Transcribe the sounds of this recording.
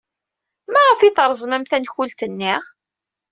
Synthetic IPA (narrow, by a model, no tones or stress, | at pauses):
mæʁəfiθɾˤzˤmæmθænçult̪ənːiʁ